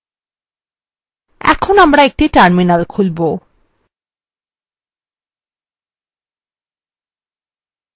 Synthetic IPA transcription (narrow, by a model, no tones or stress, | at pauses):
ɛ̰kʰonamɾaek̚ʈiʈaɾminalkʰulbo